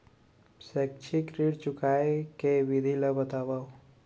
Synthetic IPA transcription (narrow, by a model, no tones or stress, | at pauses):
sɛk̚t͡ʃʰikɾiɽt͡ʃʊkʰaekeʋid̪ʱiləbət̪aʋaw